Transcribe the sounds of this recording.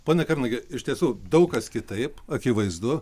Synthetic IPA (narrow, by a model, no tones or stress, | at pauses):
poːnʲɛkɐrʲnɐɡʲɪɪʃʲt̪ʲiɛsuːd̪ɐʊkkɐskʲɪt̪ɐɪpɐkʲiʋɐɪzd̪ʊ